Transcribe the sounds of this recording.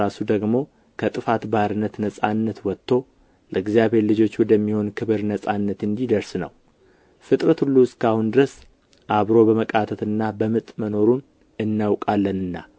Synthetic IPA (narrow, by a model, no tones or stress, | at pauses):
asud̪əɡmo̞ | kʰət̪ʼɨfat̪baɾɨnːət̪nəsʼanːət̪wɔt̪ʰːo̞ | ləɨɡzjaβhe̞ɾlɨd͡ʒo̞t͡ʃːwɔd̪əmːiho̞nkʰɨβɨɾnəsʼanːət̪ɨnd̪id̪əɾsnə̰w | fɨt̪ʼɾət̪hulːuɨskʰahund̪ɨɾəs | ʔaβɾo̞bəməkʼat̪ʰət̪ɨnːabəmɨt̪ʼməno̞ɾun | ɨnːawkʼalːənɨnːa̰